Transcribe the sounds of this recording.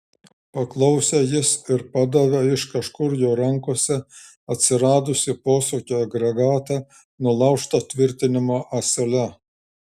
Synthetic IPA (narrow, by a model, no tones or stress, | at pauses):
pɐklˠɐʊsʲejɪsɪɾpɑd̪ɐʋʲɛɪʃkɐʃkʊɾjoːɾɐŋkoɔsʲɛ | ɐt̪ʲsʲɪɾɑːd̪ʊsʲɪpoːsoːkʲoːjɐɡɾɐɡɑːt̪ɑ | nʊlˠɑʊʃt̪oːt̪ʲʋʲɪɾʲt̪ʲɪnʲɪmoːʔɐsʲɛlʲɛ